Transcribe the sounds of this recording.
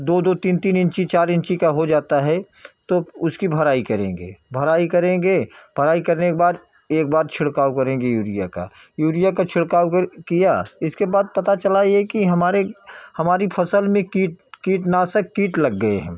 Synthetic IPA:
d̪oːd̪oːt̪iːnt̪iːnɪ̃nt͡ʃit͡ʃaːɾɪ̃nt͡ʃikaɦod͡ʒaːt̪aɦɛ | t̪oʊskibʱɐɾaːikɐɾḛ̃ːŋɡḛːbʱɐɾaːikɐɾẽːɡebʱəɾaːikɐɾnekebaːɾ | eːk̚baːɾt͡ʃʰɪɽkaːukɐɾẽːŋɡejuːɾija̰ka̰ | juːɾijakat͡ʃʰɪɽkaːwkkijaɪskebaːd̪̚pɐt̪at͡ʃɐlaiɛkiɦɐmaːɾehɐmaːɾipʰɐsəlmẽkiːʈkiːʈnaːsəkkːiːʈlɐɡːəḛɦɛ̰̃ː

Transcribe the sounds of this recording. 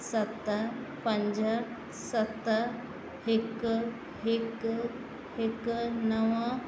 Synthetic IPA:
sət̪əpəɲd͡ʑə | sət̪ə | ek | ek | eknəʋə

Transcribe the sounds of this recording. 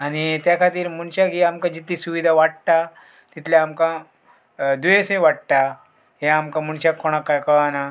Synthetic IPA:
aɽ̃it̪jakʰat̪iːɾmuɳt͡ɕakiamkãd͡ʑit̪ːisuʋid̪ʱaʋaɽt̪a | t̪it̪laamkã | d̪uesmẽʋaɽt̪a | ɦeamkamuɳt͡ɕakːoɽ̃akːajkəɭana

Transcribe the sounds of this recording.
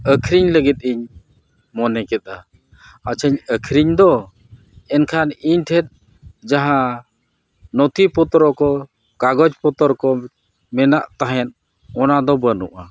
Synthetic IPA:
əkʰɾiɲləɡɛt̪̚ˀiɲ | mɔnɛkɛt̪̚a | at͡ʃʰəɲəkʰɾiɲd̪ɔ | ɛnkʰaniɲʈ̪ʰɛt̪̚ | d͡ʒaɦã | nɔt̪ipɔt̪ɔɾɔkɔ | kaɡɔd͡ʒpɔt̪ɔɾkɔ | mɛnaʔt̪aɦɛn | ɔnad̪ɔbənṵʔa

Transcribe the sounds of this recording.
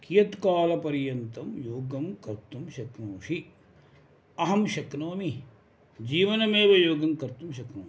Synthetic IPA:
kijɐt̪kaːlɐpɐɾjɐnt̪ɐmjoːɡɐmkɐɾt̪umʃɐknoːʂi | ɐɦɐmʃɐknoːmi | d͡ʒiːʋɐnɐmeːʋɐjoːɡɐmkɐɾt̪umʃ̬ɐknoː

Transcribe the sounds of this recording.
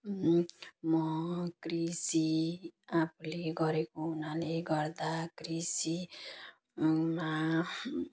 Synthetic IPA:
mʌkrisiapʰuleɡʌɾekoɦunaleɡʌrd̪akrisi | ma

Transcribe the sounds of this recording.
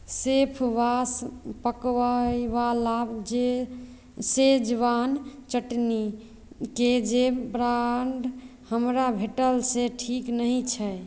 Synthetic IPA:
sepʰʋaspəkʋaiʋalabd͡ʒe | sed͡ʒʋant͡ʃəʈni | ked͡ʒebɾaɳɖ | həmɾabʱeʈəlseʈʰiknəɦĩt͡ʃʰɛ

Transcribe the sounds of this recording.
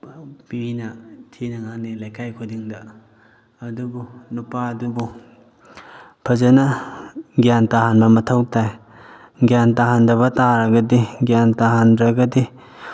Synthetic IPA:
pibinɐtʰinɐŋanilajkajkʰudiŋdɐ | ɐdubunupaɐdubu | pʰɐzɐnɐ | ɡjantaɦanbɐmɐtʰɐwtʰaj | ɡjantaɦandɐβɐtaɾɐɡɐdiɡjantaɦandɾɐɡɐdi

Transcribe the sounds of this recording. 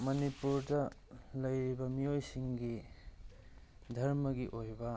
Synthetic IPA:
mɐnipuɾdɐlɐjɾibɐmijojsiŋɡi | dʱɐɾmɐɡiʔojbɐ

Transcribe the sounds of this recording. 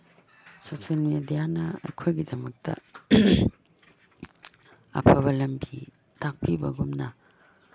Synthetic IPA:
sosonmedijanɐɐ̰jkʰojɡidɐmɐk̚tʰɐ̰ | ɐ̰pʰɐβɐlɐmbi | tak̚pʰibɐɡumnɐ

